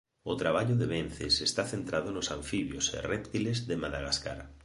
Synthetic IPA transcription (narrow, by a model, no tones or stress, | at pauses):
ʊt̪ɾaβaʎʊðeβen̟θesest̪aθent̪ɾaðʊnʊsãɱfiβjo̰sḛrɛpt̪ilezðemaðaɣaska̰ɾ